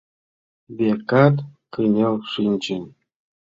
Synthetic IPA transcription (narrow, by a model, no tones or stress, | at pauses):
bʲekɑt̪kɯnʲelʂinʲd͡ʑɘ̆nʲ